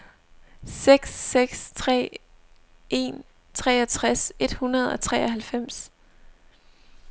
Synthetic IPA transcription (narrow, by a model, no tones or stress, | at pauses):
seɡ̥sːeɡ̥st͡sʰʁɛ̰ː | ʔe̝̰n | t͡sʰʁɛ̰ːɒt͡sʰʁase̝d̥hunɐð̞̩ˠɒ̽t͡sʰʁɛ̰ːɒɦælfem̰s